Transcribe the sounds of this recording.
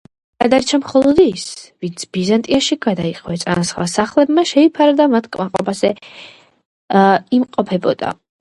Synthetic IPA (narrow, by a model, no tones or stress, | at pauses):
ɡad̪aɾt͡ʃʰamχɔlˠɔd̪isvint̪sʰb̥izant̪ʼiaʃiɡad̪aiqʼwɛt̪sʼa̰nasχwa̰saχlˠɛbmaʃɛipʰaɾad̪amat̪ʰkʼmaqʼɔ̰bazɛ | imqʼɔpʰɛbɔ̰d̪̥a̰